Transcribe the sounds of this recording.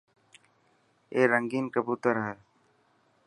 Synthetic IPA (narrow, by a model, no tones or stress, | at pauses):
eːɾəŋɡiːnkəbuːt̪əɾɦəl